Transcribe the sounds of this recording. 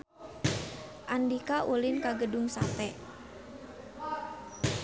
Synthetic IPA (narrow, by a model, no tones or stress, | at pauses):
ʔandikaʔulɪnkaɡəduŋsat̪ɛ